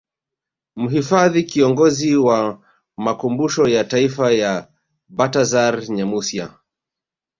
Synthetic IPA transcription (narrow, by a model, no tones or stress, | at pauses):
m̩ɦifaðikiɔŋɡɔziwa | makumbuʃɔjataifaja | batazaɾɲamusia̰